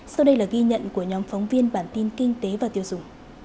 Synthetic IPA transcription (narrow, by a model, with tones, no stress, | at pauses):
sa˧wɗə˧jlaː˨˩ɣi˧ɲə̰˧˨nku˧˩əɲɔ˨˦mfa˨˦wŋ͡mvi˧ənɓaː˧˩nt̪i˧nkï˧ŋ̟t̪e˨˦vaː˨˩t̪i˧əwzʊ˧˩ŋ͡m